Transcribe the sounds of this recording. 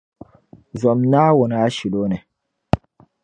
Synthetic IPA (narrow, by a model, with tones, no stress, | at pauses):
zɔ˨mna˦wɔ˨n˦a˦ʃi˨lo˦ne˨